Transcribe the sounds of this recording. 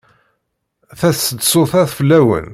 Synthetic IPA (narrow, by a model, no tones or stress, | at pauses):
θæθsəd̪soθæðfəlːæwə̰n